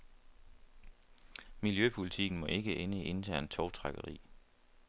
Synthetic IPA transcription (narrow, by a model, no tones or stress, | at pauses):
miljøpʰulit͡sʰiɡ̥n̩mɒ̽ʔe̝ɡ̥əʔenəiʔe̝nt͡sʰæɐ̰nt͡sʰɒʊt͡sʰʁɑ̈ɡ̥əʁḭː